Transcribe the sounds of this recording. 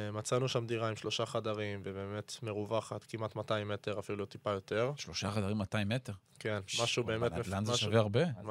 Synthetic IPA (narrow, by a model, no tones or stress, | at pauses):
mat͡sanuʃamd̪iʁaimʃlo̞ʃaχadaʁimvebe̞ːme̞tme̞ʁuvaχat̪kimatmataimete̞ʁafilutipajo̞te̞ʁʃloʃaχad̪aʁimːataimeteʁ | ke̞nmmaʃube̞ːmemelanzʃveaʁbe